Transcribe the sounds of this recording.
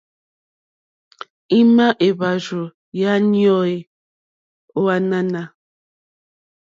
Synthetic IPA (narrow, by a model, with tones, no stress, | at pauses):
i˦ma˦ʔe˨βa˨ʒo˨ | ja˦njɔ˦i˨ | o˦a˦na˦na˦